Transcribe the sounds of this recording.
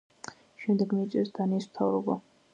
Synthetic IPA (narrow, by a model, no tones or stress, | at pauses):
ʃɛmd̪ɛɡmisʼɛsd̪anismt̪ʰavɾɔba